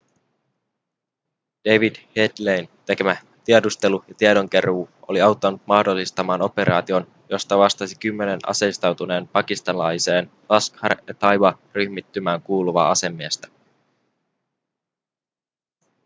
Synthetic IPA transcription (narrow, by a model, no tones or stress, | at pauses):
d̥ejʋidhedlejnt̪e̞ke̞mæ | t̪iedust̪e̞lujɑt̪iedo̞ŋk̟e̞ruːoliɑwt̪ːɑnut̪̚mɑhdolːist̪ɑmɑːno̞pe̞ɾʔɑːt̪io̞n | jo̞st̪ɑʋɑst̪ɑsikymːe̞ne̞nʔɑ̰sest̪ɑwt̪une̞ːnpɑkist̪ɑnlɑjse̞ːn | lɑskhɑrjɑt̪ɑjʋɑryçmit̪ːymæːŋkuːluʋɑ̰ːɑse̞mːiːst̪æ̥